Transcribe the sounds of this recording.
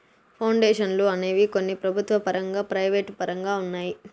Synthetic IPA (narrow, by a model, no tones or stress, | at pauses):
pʰɐwɳɖeːʂɐnluɐneːʋikonːipɾɐbʱut̪ʋɐpɐɾɐŋɡaːpɾɐjʋeːʈpɐɾɐŋɡaːunːaːji